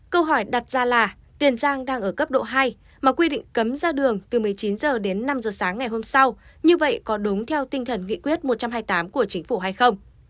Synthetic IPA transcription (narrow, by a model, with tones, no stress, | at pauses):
kə˧wɦɔ˧˩jɗa˨˩t̚zaː˧laː˨˩ | t̪i˨˩ənzaː˧ŋɗaː˧ŋʔəː˧˩kə˦˥p̚ɗo̰˧˨ɦaː˧j | maː˨˩kwi˧ɗḭ˧˨ŋ̟kə˨˦mzaː˧ɗɨ˨˩əŋt̪ɨ˨˩mɨ˨˩əjt͡ɕi˨˦nzəː˨˩ɗe˨˦nːa˧mzəː˨˩saː˨˦ŋːa˨˩jɦo˧msa˧wɲɨ˧və̰˧˨jkɔ˨˦ɗʊ˨˦ŋ͡mt̪ʰɛ˧wt̪ï˧ŋ̟t̪ʰə˨˩nŋḭ˧˨kwi˦˥ət̚mo˨˩t̚t͡ɕa˧mɦaː˧jt̪aː˨˦mku˧˩ət͡ɕï˨˦ŋ̟fu˧˩ɦa˧jxə˧wŋ͡m